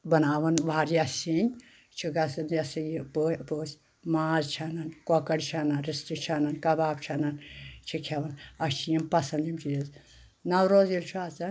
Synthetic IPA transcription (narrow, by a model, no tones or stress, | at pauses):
bɐnaːʋɐnʋaːɾjasʲinʲ | t͡ʃʰiɡɐsɐnjɐsijipopoːsʲ | maːzt͡ʃʰɐnɐnkɔkɐɽt͡ʃʰɐnɐnɾistit͡ʃʰɐnɐnkɐbaːbt͡ʃʰɐnɐnt͡ʃʰikʲʰaʋɐnɐt͡ʃʰijimpɐsɐnd̪imt͡ʃʰijɐz | nɐwɾoːzilt͡ʃʰuaːt͡sɐn